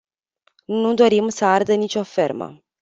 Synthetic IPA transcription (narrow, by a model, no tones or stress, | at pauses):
nud̪o̞ɾimsəard̪ənit͡ʃʲo̞fe̞̰rmə̰